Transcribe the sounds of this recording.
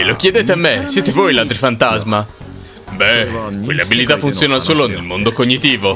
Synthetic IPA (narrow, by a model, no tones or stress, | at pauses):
lokjɛd̪et̪eamːesjɛːt̪evoːjilalt̪ɾifant̪azma | bɛkkwelːeabilit̪afːunt̪sjɔːnasoːlonelmond̪okoɲːit̪iːvo